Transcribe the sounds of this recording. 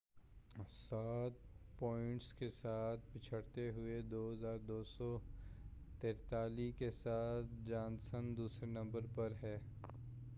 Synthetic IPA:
saːt̪̚pɔːɪ̃ɳʈskesaːt̪̚ʰpɪt͡ʃʰəɽt̪eɦʊed̪oːɦɐzaːɾd̪oːsɔ | t̪eːɾt̪aːlikesaːt̪̚ʰd͡ʒãːnsənd̪uːsɾenɐ̃mbəɾpɐɾɦɛː

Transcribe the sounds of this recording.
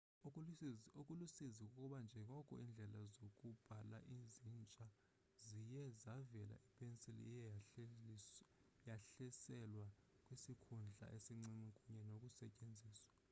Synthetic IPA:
okʼulusizikʼukʼuɓand͡ʒʱɛŋɔkʼṵind͡ɮʱɛlazokʼub̥ʱala̰ʔizint͡ʃʼa | zijɛzavɛla̰ʔipʼʰensilḭj | jaɬɛsɛlwa | kʼwisikʰund͡ɮʱa̰ʔesiŋ͡ǀiŋ͡ǀikʼuɲɛnokʼusɛcʼend͡zʱiːswḁ

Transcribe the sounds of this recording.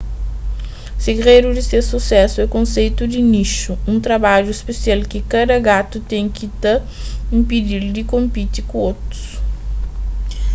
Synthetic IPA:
seɡɾejɾʊd̪ɪsesusɛsʊɛkõsejt̪ʊd̪ɪniʃʊũt̪ɾabaʒʊispesialkɪkad̪ɐɡat̪ʊt̪ẽj̃kit̪ɐ | ĩmpid̪iɾd̪ɪkõmpit̪ɪkõot̪ɾʊ̥s

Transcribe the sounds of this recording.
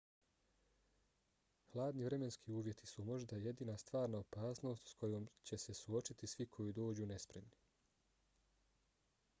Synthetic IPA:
hlˠaːd̪niʋɾe̞me̞nskʰiuːʋʲje̞t̪ʰisumo̞ʒd̪aje̞d̪iːnast̪ʋaːɾnaopaːsno̞ːst̪skʰo̞joːmt͡ɕe̞se̞suo̞t͡ʃit̪isʋikʰo̞jid̪o̞ːd͡ʑune̞spɾe̞mni

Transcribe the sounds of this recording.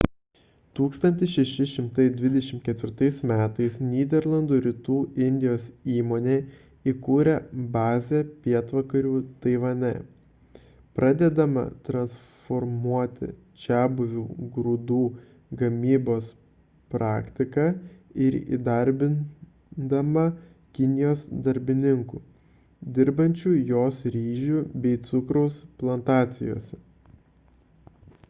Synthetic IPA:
t̪uːkst̪ɐnʲt̪ʲɪsʃʲɛʃʲɪʃʲɪmt̪ɐɪd̪ʲʋʲɪd̪ʲɛʃʲɪmt̪̚ʲkʲɛt̪ʲʋʲɪɾt̪ɐɪsmʲæːt̪ɐɪsnʲiːd̪ʲɛɾlˠɐnd̪uːɾʲɪt̪uːɪnʲd̪ʲɪjoːsiːmoːnʲeː | iːkuːɾʲɛbɑːzʲeːpʲiɛt̪ʋɐkɐɾʲuːt̪ɐɪʋɐnʲɛ̰ | pɾʔɑd̪ʲɛd̪ɐmɐ̰t̪ɾɐnsfɔɾmuɔt̪ʲɪ̰ | t͡ʃʲæːbʊʋʲuːɡɾʊd̪uː | ɡɐmʲiːboːs | pɾɑːkt̪ʲɪkɑɪɾḭːd̪ɐɾʲbʲɪn | d̪ɐmɐ | kʲɪnʲɪjoːsd̪ɐɾʲbʲɪnʲɪŋkuː | d̪ʲɪɾbɐnʲt͡ʃʲuːjoːsɾʲiːʒʲuːbʲɛɪt̪sʊkɾoʊsplˠɐnt̪ɑːt̪sʲɪjo̰ːsʲɛ

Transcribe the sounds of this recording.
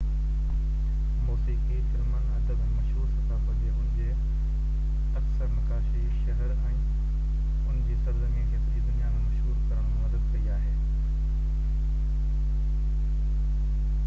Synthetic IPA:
moːsiːkifɪɾmənɐd̪əɡmɐʃɦuːɾsɐt̪aɦod͡ʑeʊ̃ɦɪ̃d͡ʑe | ɐksəɾnɐkaːʃiʃɐɦəɾɛ̃ː | ʊnɪd͡ʑisəɾzɐ̃ŋɡẽɡʰeːt̪ɾid̪ʊnijaːnmɐʃɦuːɾkɐɾəɽ̃mɐd̪əd̪̚kɐiaːɦeː

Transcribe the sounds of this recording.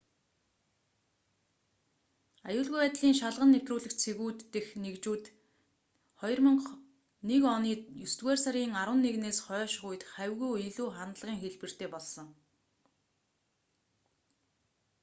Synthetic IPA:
ajʊːɮɣujpæːt̪ɮiːŋʃaɮʁə̆nːewt̪ruːɮɘ̆kt͡sʰeɣuːt̪ːexnekt͡ɕuːt̪ | χɔj̆rmə̆ŋ | nekɔniːjɵst̪wæːrsaɾiːŋaɾwə̆nːeɣneːsχœːʃɣuj̆t̪χæwɣuːeɮuːχant̪ɮʁiːŋxeɮpɘ̆r̥t̪ʰeːpɔɮsɞ̆ŋ

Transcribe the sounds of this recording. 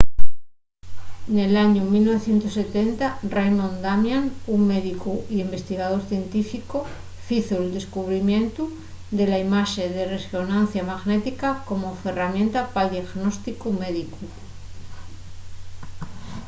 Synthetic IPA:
ne̞laɲumilno̞βe̞θje̞nt̪osːe̞t̪e̞nt̪arejmõnd̪amjanuŋmeðikuiimbe̞st̪iɣaðo̞ɾθje̞nt̪ifiko | fiθoeld̪e̞skuβ̞ɾimjẽ̞nt̪u | d̪e̞laimaʃeðeresonanθjamaɣnet̪ikako̞mofe̞ramje̞nt̪apald̪jaɣnost̪ikume̞ðiku

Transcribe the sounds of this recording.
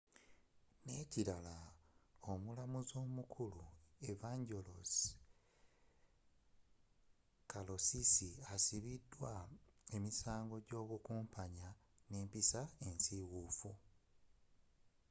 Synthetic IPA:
ne̞ciɾalaomulamuzo̞ːmukʰulue̞vaɲɟo̞los | kalo̞sisiasiβidːwae̞misaːŋɡo̞ɟo̞ːβukuːmpʰaɲa | neːmpisae̞nsiɣuːfu

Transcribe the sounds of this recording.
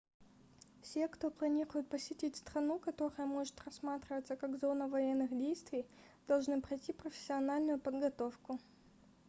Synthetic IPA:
fsʲe̞kt̪o̞plˠɐnʲiɾʊjʊt̪̚pəsʲɪtʲitʲst̪ɾɐnukɐt̪o̞ɾəjəmo̞ʐɨt̪rɐsmat̪ɾʲɪvət̪səkaɡzo̞nəvɐjenːɨxdʲejst̪vʲɪj | d̪̥ɐlˠʐnɨpɾɐjtʲipɾəfʲɪ̥sʲːɪɐnalʲnʊjʊpəd̪ɡɐt̪o̞fkʊ

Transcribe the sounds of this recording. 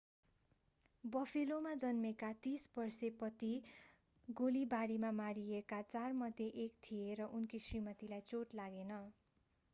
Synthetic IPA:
bʌpʰilomad͡zʌnmekat̪isbʌrsepʌt̪i | ɡolibaɾimamaɾiekat͡sarmʌd̪ʱjeʔekt̪ʰijeɾʌʔunkisrimʌt̪ilajt͡soʈlaɡenʌ

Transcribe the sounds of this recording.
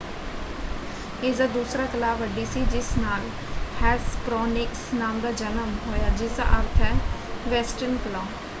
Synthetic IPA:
eːzaːd̪uːsɾaːkəlaːʋəɖiːsiːd͡ʒɪsnaːl | hɛːspɾɔːnɪksnaːmd̪aːd͡ʒənəmɦoːjaːd͡ʒɪsa̰ʔəɾt̪ʰɛːʋɛːsʈənkəlãː

